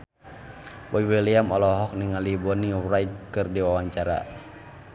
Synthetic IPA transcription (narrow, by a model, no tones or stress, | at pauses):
wɔiwiliamɔlɔɦɔk̚niŋalibɔniɾajt̚kɨrdiwawaɲt͡ʃaɾa̰